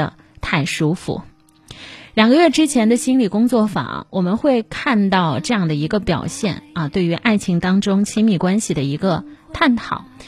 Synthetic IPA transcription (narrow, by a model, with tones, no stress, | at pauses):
ə̰˧ | t̪ʰa˥˩ɪʂu˥fṵ˧˩ | ljɑ˨˩ŋɡə˦ɥɛ˥˩ʈ͡ʂɻ̩˥t͡ɕʰjɛ˧˥nd̪ə˧ɕi˥nli˨˩kʊ˥ŋt͡swɔ˥˩fa̰˨˩wʔɔ˨˩mə˦nxwe˥˧ɪkʰa˥˧nt̪ɑ˥˧ʊʈ͡ʂɤ˥˧jɑ˥˩ŋd̪ə˩i˧˥ɡə˧pjɑ̰˨˩ʊɕjɛ̰˥˩nɐ˧t̪we˥˩ɪy˧˥ʔa˥˩ɪt͡ɕʰi˧˥ŋt̪ɑ˥ŋʈ͡ʂʊ˥ŋt͡ɕʰi˥mi˥˩kwa˥nɕi˨d̪ə˩i˧˥ɡə˧t̪ʰa˥˩nt̪ʰɑ̰˨˩˦ʊ